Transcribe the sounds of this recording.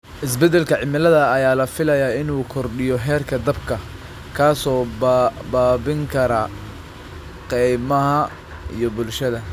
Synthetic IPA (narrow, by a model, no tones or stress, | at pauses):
ʔɪs̬bɛd̪ɛlkʰɐʕɪmɪlɐðɐːjaːlɐfɪlɐjaɪnuːkʰɔrɖɪjɔɦɛːrkʰɐd̪ɐbkʰɐ | kʰaːsɔːbaːbɪŋkʰɐɾɐ | qɛjmɐɦɐ | ḭjɔbʊlʃɐðɐ